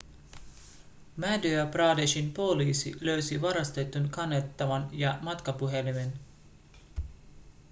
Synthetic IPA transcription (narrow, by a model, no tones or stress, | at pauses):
mædyæprɑːdeʃinpo̞liːsḭlø̞ɥsiʋɑɾɑst̪e̞t̪ːunkɑnːet̪ːɑʋɑnjɑmɑt̪kɑpuɦe̞limen